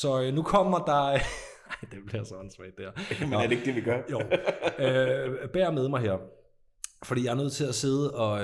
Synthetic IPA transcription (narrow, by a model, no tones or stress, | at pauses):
sɒ̽nukʰɒ̽m̰ɐd̥ɑ̈ | ɑɪ̰d̥eb̥liɐsɒnsʋɛd̥æɐmæɐdeɡ̥̚d̥eʋiɡ̥ɶɐjoʊøb̥æɐ̰með̞ˠmɑɪɦæɐ̰ | fɒ̽d̥ḭːjɑɪɐnøð̰ˠt͡sʰe̝læse̝ð̞ˠəɒ̽